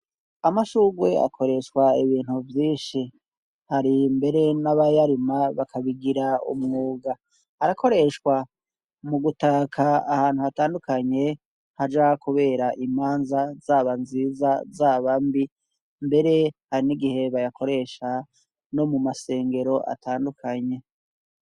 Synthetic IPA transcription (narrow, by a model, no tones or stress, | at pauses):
amaʃuɡwe̞a̰kʰo̞ɾe̞ʃwaiβiːn̥huvjiːʃi | haɾimbe̞ɾe̞naβajaɾimaβakʰaβiɡiɾaṵmŋuːɡa | aɾakʰo̞ɾe̞ʃwa | muɡutakʰaahaːnhuhataːndukʰaɲe̞ | had͡ʒaakuβe̞ːɾaʔimaːnzazaβanziːzazaːβambi | mbe̞ɾe̞haɾiniɡihe̞βajakʰo̞ɾe̞ʃa | no̞mumase̞ːŋɡe̞ɾo̞ʔa̰tʰaːndukʰaɲe̞